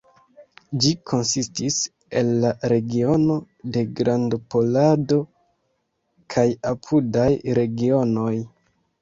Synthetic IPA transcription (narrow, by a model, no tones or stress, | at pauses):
d͡ʒikʰo̞nsistis | e̞lːaɾe̞ɡio̞no̞ | de̞ɡɾandopo̞lado̞ | kʰajapʰudajɾe̞ɡio̞no̞j